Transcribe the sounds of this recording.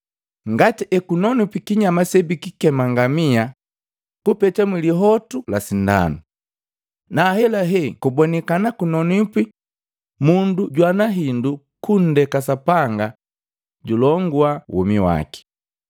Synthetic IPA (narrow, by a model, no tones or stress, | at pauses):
ŋɡatiʔɛkunɔnupikiɲamasɛbikikɛmaŋɡamia | kupɛtamwiliɦɔtulasinda̰nu | naːhɛlaɦɛkubɔnɛkanakunɔnipi | munduɟwanaɦindu | kun̩dɛkasapaŋɡa | ɟulɔŋɡuawʔṵmiwa̰ki̥